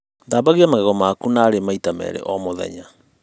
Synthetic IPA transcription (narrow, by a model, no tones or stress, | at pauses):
ndaːβaɣiamaɣɛɣɔmakunaːɾemaitamɛ̰ɾḛʔɔmoðɛ̰ɲa